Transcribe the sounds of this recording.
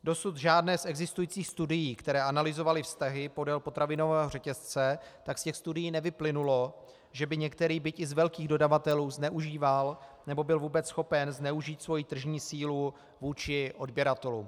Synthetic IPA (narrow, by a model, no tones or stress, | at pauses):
do̞sut̪ʒaːdnɛːsʔɛɡzɪst̪ujiːt͡siːxst̪udɪjiːkt̪ɛɾɛːʔanalɪzo̞valɪfst̪aɦɪpo̞dɛlpo̞t̪ɾavɪno̞vɛːɦo̞r̝ɛcɛst͡sɛt̪akscɛxst̪udɪjiːnɛvɪplɪnulo̞ | ʒɛbɪɲɛkt̪ɛɾiːbɪcɪzvɛlkiːɣdo̞davat̪ɛluːznɛʔuʒiːvalnɛbo̞bɪlvuːbɛt͡ssxo̞pɛnznɛuʒiːt̪svo̞jiːt̪r̩ʒɲiːsiːlu | vuːt͡ʃɪʔo̞dbjɛɾat̪ɛlṵm